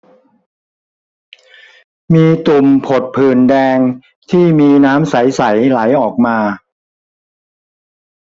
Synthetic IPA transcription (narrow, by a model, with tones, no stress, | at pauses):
miː˧t̪u˨˩mpʰo˨˩t̪̚pʰɯː˨˩ndɛː˧ŋ | t̪ʰiː˥˩miː˧naː˦˥msa˩˦jsa˩˦jla˩˦jʔɔː˨˩k̚maː˧